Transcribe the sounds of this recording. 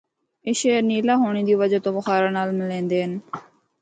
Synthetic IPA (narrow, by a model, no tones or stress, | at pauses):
eːʃeːəɾniːlaːɦoːɳĩːd̪iːʋəd͡ʒat̪õːbəxaːɾaːnaːlmlẽːnd̪eːɦən